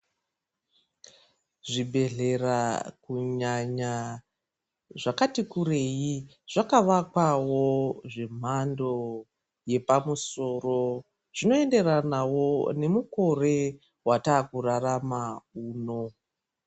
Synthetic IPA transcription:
ʐibʱe̞ɮe̞rakuɲaɲa | ʐakatikure̞ji | ʐ̥akaʋakwawoʐe̞m̤ando̞ | je̞pamuso̞ro̞ | ʐ̥ino̞e̞nde̞ranawo̞ne̞muko̞re̞ | wataːkuraramauːno̞

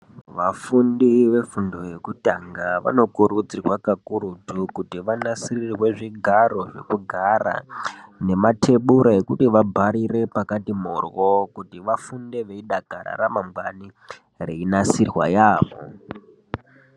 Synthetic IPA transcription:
ʋafundiʋe̞fundo̞jekutaŋɡaʋa̰no̞kuɾud͡zirwakakuɾutukutiʋanasirirwe̞ʐiɡʱaɾo̞ʐe̞̰kuɡʱaɾa̰ne̞matʰe̞ɓuɾae̞kutiʋabʱaɾire̞pakatimorwo̞kutiʋafunde̞ʋeiɗaɡ̥ʱaɾa̰ɾamamɡwani | reinasirwa̰jaːʋo̰

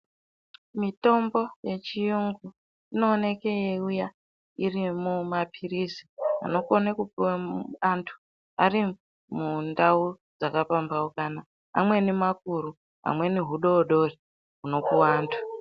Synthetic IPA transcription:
mito̞mbo̞je̞t͡ʃijuŋɡu | ino̞ːne̞keeuja | irimumapʰirizia̰no̞konekupiwaantʰu̥ | ari | mundau | d͡zakapambaokana | a̰mwe̞nimak̚uɾu | ɦa̰mwe̞niɦuɗo̞ɗo̞ri | ɦuno̞kuwaːntʰu̥

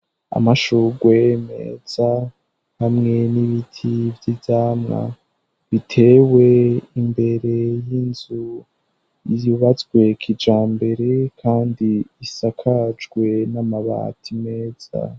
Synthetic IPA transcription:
a̰maʃuɡwemḛːz̥a | hamŋe̞niβitʰivjizaːmŋa̰ | βitʰe̞we̞imbe̞ɾe̞jinzu | juβat͡sɡwe̞kʰid͡ʒaːmbe̞ɾe̞kʰaːndiːsakʰad͡ʒɡwe̞namaβa̰tʰime̞ːz̥a̰

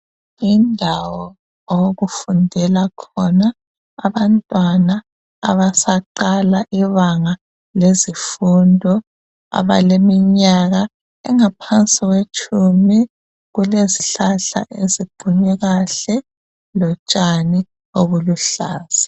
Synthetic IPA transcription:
indʱawɔ | ɣufundʱɛlakʰɔnaː | βantʼwana̰ː | βasaǃalaʔiβaŋa | lezifundʱɔ | a̰βalemiɲaɣa | ɛ̰ŋapʰant͡sʼiɣwet͡ʃʰʼumi | ɣuleziɬaɬa̰ʔezib̥ʱuɲɛɣaɬɛ | lɔt͡ʃʼani | oβuluɬaːz̥i̥

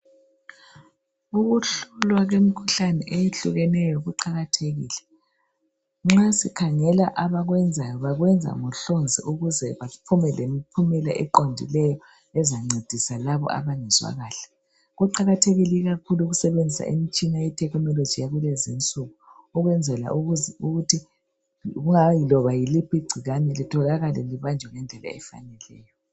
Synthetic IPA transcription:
uɣuɬulwaɣemikʰuɬanɛʔejeɬuɣɛnɛjɔɣuǃaɣatʰeɣḭːlɛ | ŋ͡ǁasikʰaŋɛlaʔaβaɣwɛnd͡zʱajɔβaɣwɛnd͡zʱa̰ŋɔɬond͡zʱḭʔuɣuzɛβapʰumɛlemipʰumɛlaʔɛǃondʱḭlɛjɔ | ɛzaŋ͡ǀed̥ʱisalaβɔ̰ʔa̰βaŋɛzwa̰ɣaːɬɛ̥ | ɣɔǃaɣatʰeɣiliɣakʰuluɣusɛβend͡zʱisa̰ʔḭmit͡ʃʼinajɛtʰɛknɔlod̥d͡ʒ̥ijaɣulɛzint͡sʼuɣu | uɣwɛnd͡zʱɛla̰ʔuuɣutʰi | ɣuŋajilɔβajilipʰiɡ͡ǀʱiɣanɛlitʰɔɣaɣalɛliβand͡ʒʱwɛŋɛnd͡ɮʱɛla̰ɛ̰fa̰nɛlɛ̰ːjɔ

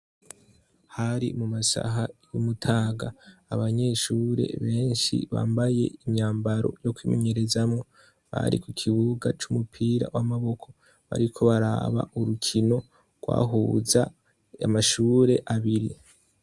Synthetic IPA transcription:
haɾḭmumasa̰ɦajumutʰaːɡaːβaɲe̞ːʃuɾe̞̰βe̞ːnʃḭβa̰ːmbaje̞̰iɲɲaːmbaɾo̞̰jo̞kwiːmeɲeɾe̞zamŋo̞ | βa̰ɾḭkukʰiβuɡat͡ʃumupʰiːɾa̰wamaβo̞kʰo̞ | βa̰ɾikʰo̞βaɾa̰βa̰ʔuɾukʰino̞ | ɡ̥wa̰ːɦuːza | amaʃuːɾe̞ʔaβiɾi

